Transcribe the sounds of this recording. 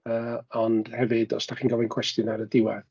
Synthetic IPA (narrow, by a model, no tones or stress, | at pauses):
əːɔnd̥hɛvɨdɔ̰sd̥aχiːnɡɔvɨnkʰw̥ɛstjɔnaɾədɪwɛð